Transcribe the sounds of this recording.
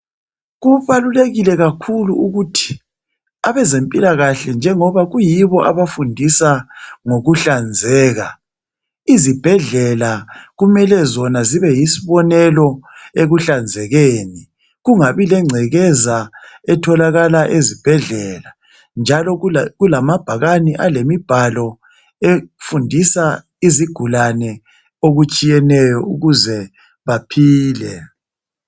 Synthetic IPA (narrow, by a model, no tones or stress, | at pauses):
ɣuβaluleɣilɛɣakʰuluuɣutʰi̥ | aβɛzempʼilaɣaɬɛnd͡ʒʱɛŋɔβaɣujiβɔʔaβafundʱisaŋoɣuɬand͡zʱɛːɣa | izib̥ʱɛɮɛlaɣumɛlɛzɔnaziβɛjisiβɔnɛlɔeɣuɬand͡zʱɛɣeːni | ɣuŋaβilɛŋ͡ǀʱɛɣɛzaɛtʰɔlaɣalaʔezib̥ʱɛɮɛla | nd͡ʒʱalɔɣulamab̥ʱaɣaniʔalemib̥ʱalɔ | efundʱisa | iziɡ̥ʱulanɛ | oɣut͡ʃʼijɛnɛjɔuɣuzɛ | βapʰiːlɛ